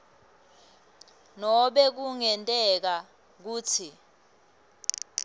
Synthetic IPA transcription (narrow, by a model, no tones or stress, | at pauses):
nɔɓɛk̬uŋɛntʼɛk̬a | k̬uːtʰi